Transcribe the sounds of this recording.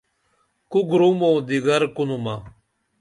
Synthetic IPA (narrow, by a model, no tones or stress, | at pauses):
kuɡɾumoːd̪iɡəɾkunuma